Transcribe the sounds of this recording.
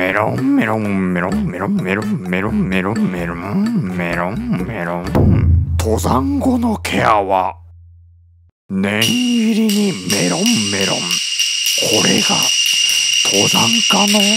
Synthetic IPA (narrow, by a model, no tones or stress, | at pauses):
eɾõmːeɾomːeɾõmeɾõmmeɾõmmeɾõmmeɾommeɾomeɾõmmeɾõ | t̪ʰo̞zãŋɡo̞nokʰeaβa | nẽɰiɾʲiɲime̞ɾõmːeɾõ̰mkʰo̞ɾeɡa | t̪ʰozãŋkano